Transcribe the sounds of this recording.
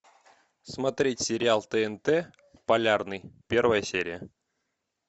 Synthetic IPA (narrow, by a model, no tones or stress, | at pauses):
smɐt̪ɾʲetʲsʲeɾʲɪalˠt̪əɛnt̪ɛ | pɐlʲarnɨjpʲervɐjəsʲeɾʲɪjə